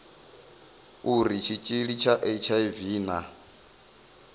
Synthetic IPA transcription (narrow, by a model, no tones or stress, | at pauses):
uɾit͡ʃʰit͡ʃʼiɺit͡ʃʰaʔet͡ʃʰaiviːna